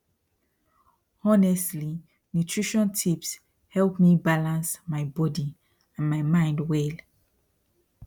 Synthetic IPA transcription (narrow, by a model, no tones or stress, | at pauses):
ɔnɛstli | nutʰɹiʃɔ̃ntʰips | hɛlpmibalãnsmaɪbɔdi | ãnmajmãɪ̃ndwɛl